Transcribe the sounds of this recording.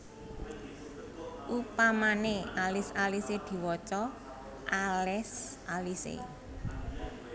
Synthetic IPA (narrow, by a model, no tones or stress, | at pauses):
ʔupamanealɪsalised̪̥i̤wɔt͡ʃɔ | ʔalɛsʔalisḛ